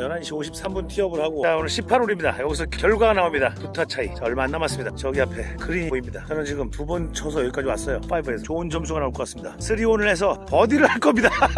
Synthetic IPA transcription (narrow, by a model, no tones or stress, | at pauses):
jʌnanɕʰioɕʰip̚s͈ambuntʰiʌbɯɭhaɡoaonɯɭɕʰipʰaɾoɾimɲidajʌɡis̬ʰʌkjʌɭɡwaɡanaomɲidaputʰat͡ɕʰait͡ɕaʌɭmaːnːamas͈ɯmɲidat͡ɕʌɡiapʰe̞kɯɾiɲioimɲidakɾʌnt͡ɕiɡɯmpubunt͡ɕʰʌs̬ʰʌjʌik͈ad͡ʑiwas͈ʌjop͈aibesʰt͡ɕoɯnd͡ʑʌms̬ʰuɡanaoɭkʌk͈as͈ɯmɲidasʰɯɾionɯɭhe̞s̬ʰʌpʌdiɾɯɭhaɭk͈ʌmɲida